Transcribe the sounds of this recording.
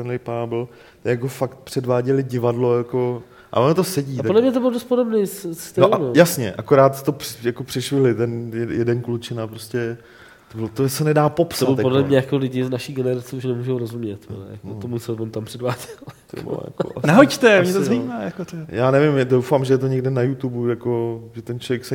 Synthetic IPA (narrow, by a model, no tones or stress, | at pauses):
ɛnlɛjpaːbl̩ | t̪ɛjakofakt̪̚pr̥ɛdvaːɟɛlɪɟɪvadlojako̞ | ʔa̰ʔonot̪osɛɟiːt̪adlɛmɲɛt̪obɪlodost̪̚podo̞bnesst̪ɪoanojasɲɛ̰ʔakoɾaːt̪t̪ːopɪjakopr̥ɪʃʋɪɦlɪt̪ɛnjɛjɛdɛnklut͡ʃɪnapɾoscɛ | t̪obɪlot̪osɛnɛdaːpopsaobɪljapodlɛmɲɛjakolɪɟɪznaʃiɡɛnɛɾat͡sɛuʃnɛmuːʒowɾozumɲɛt̪o̰nɛ̰ja̰kot̪omusɛbɛmt̪ampr̥ɛdvaːɟɛlt̪b̰ja̰ko̰naɦoct̪ɛomɲɛt̪ozaimaːjakot̪jaːnɛvɪmdowfamʒɛjɛt̪oɲɛɡdɪnajut̪ubujakoʒɛt̪ɛnt͡ʃlovjɛksɛ